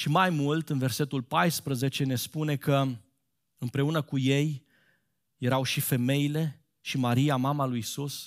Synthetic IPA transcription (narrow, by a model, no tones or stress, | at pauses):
ʃimajmult̪ɨnve̞rse̞t̪ulpajspɾəze̞t͡ʃe̞ne̞spune̞kʰə | ɨmpɾe̞unəkuje̞j | je̞ɾawʃife̞me̞ile̞ | ʃimaɾijamamalujisus